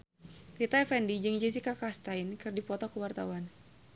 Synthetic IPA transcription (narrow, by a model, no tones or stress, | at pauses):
it̪aɛfɛndid͡ʒɨŋd͡ʒɛs̬ikakast̪ainkɨrdipɔt̪ɔkəwart̪awan